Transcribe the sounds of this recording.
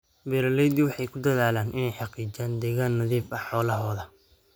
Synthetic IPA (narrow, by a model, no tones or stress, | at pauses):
bɛɾɐlɛjd̪ɪwɑħɑjkʰʊd̪ɐðaːlaːnʔɪnɛjħɑqiːd͡ʒaːnd̪ɛːɣaːnːɐðiːfɐħħɔːlɐɦɔːðɐ